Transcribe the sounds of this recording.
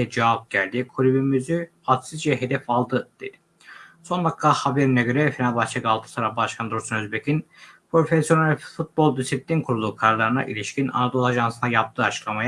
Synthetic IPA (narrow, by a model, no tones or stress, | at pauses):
ɛd͡ʒaap̚ɟælʲd̪ikʰuɾibimyzyhat̪sɯzd͡ʒɛɦe̞d̪ɛfalˠd̪ɯd̪̥ei | so̞nlˠakkʰːahabe̞ɾinɛɟø̞ɾɛfinalʲbast͡ʃʰakalˠt̪ʰɯ̥saɾafbaʃkʰand̪oɾsunøzbecʰin | pʰɾo̞fesjo̞nalʲfut̪̚bo̞lˠd̪isiplʲinkʰuɾulˠuːkʰaɾlˠaɾɯna̰ʔḭlʲiʃcina̰nad̪olˠaʒansɯnajap̚t̪ʰɯːat͡ʃʰɯ̥klˠamaja